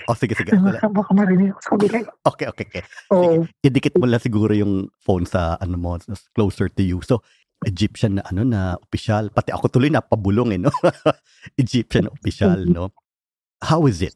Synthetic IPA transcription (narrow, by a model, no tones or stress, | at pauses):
ʔosɪɡɛsɪɡɛʔɐlsɐmbakɐmɐɾɪnɪɡɐko̥sɐ̥kɐbilanʔoːkɛjʔoːkeokɛoʔɪd̪ɪkɛt̪̚mʊlasɪɡuːɾojʊŋfonsɐ̰ʔɐnomossklowsɛɹt̪ʊjuso | ʔɛd͡ʒɪpʃɐnːɐʔɐno̞nɐʔopɪʃalpɐt̪ɛʔɐ̰kot̪ʊlojnɐpɐbʊloŋɛno | ʔɪd͡ʒip̚ʃɐnɐʔopɪʃalno̞ | hawɪzɪt̪̚